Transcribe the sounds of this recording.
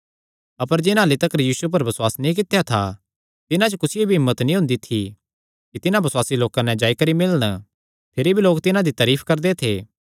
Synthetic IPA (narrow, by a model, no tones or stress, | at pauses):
ɐpəɾd͡ʒɪnaːlit̪ɐkɾjiːsup̬ɐɾbɐswaːsnĩk̬ɪt̪ʰejat̪ʰa̰ | t̪ɪnãt͡ʃokʊsɪjebʱiɦɪmːət̪nĩɦʊ̃nd̪it̪ʰi | kit̪ɪnãbɐswaːsiloːkãnɛ̃d͡ʒaːikɐɾimɪlɽ̃ | pʰɪɾibʱiloːkt̪ɪnãd̪it̪ɐːɾiːpʰkɐɾd̪et̪ʰeː